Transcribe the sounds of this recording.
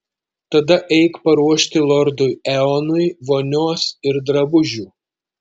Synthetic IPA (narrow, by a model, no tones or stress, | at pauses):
t̪ɐd̪ɐʔɛɪkpɐɾuɔʃʲt̪ʲɪlˠɔɾd̪ʊjɛɔnʊjʋoːnʲoːsɪɾd̪ɾɐbʊʒʲuː